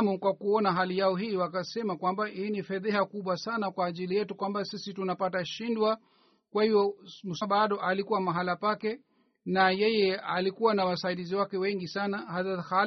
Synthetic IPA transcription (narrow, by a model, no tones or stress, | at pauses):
mukwakuɔnaɦalijaɔɦiːwakasɛmakwambahiːnifɛðɛhakuɓwasanakwaːʄilijɛtukwambasisitunapataʃindwa | kwahivɔm̩sɓaɗɔʔalikuwamaɦalapakɛ | najɛjɛalikuwanawasaiɗiziwakɛwɛŋɡisanahaðaha